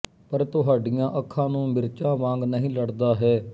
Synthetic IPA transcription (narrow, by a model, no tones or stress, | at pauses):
pəɾt̪ʊɦaːɖɪjãːʔəkʰːãːnũːmɪɾt͡ʃãːʋãːŋɡnəɦĩːləɽd̪aːɦɛː